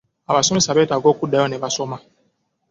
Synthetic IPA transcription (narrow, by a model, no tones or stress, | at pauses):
abasɔmĩsabɛtaɡɔkudajɔnɛbasɔmã